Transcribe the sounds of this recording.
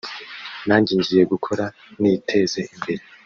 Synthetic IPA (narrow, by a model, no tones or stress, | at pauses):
naːɲɟiːɲɟije̞ɡukʰo̞ɾa | nitʰe̞ːze̞ʔimbe̞ɾe